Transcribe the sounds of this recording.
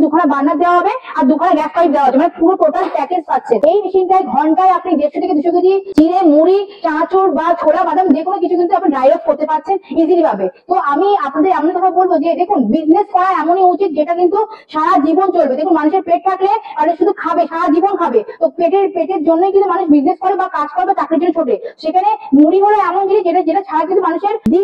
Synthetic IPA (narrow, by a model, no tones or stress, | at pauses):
d̪ukʰaɽabanːad̪ewaɦɔbeaɾd̪ukʰanaɡɛskajp̚d̪eaɦɔemanepuɾopot̪aɾpɛked͡ʑatːɕʰenejmiʃinʈaeɡʱɔɳʈajapnid̪eʃot̪ʰekeb̪iʃokid̪it͡ɕiɾemuɾit͡ɕãt͡ɕoɾbat͡ɕʰoɽabad̪ʱamd͡ʑekʰonokit͡ɕʰukint̪uapniɖajɾot̪̚koɾt̪epaɾt͡ɕʰenid͡ʑilibʱabet̪oʔamiapnad̪eɾamnit̪ɔk̪ʰabolbod͡ʑed̪ekʰunbizneskɔɾaɛmoniut͡ɕit̪̚d͡ʑeʈakint̪uʃaɾad͡ʑibont͡ɕolbed̪ekʰunmanuʃeɾpɾeʈ̚t̪ʰakleapneʃud̪ʱukʰabeʃaɾad͡ʑibonkʰabet̪opɾeʈeɾpeʈeɾd͡ʑonːojkint̪umanuʃbizneskɔɾebakad͡ʑkɔɾebat̪akeɾd͡ʑonit͡ɕʰoʈeʃekʰanemuɾiɦoloɛmonkĩnt̪ud͡ʑeʈad͡ʑeʈaʃʰaɾak̬int̪umanuʃeɾd̪i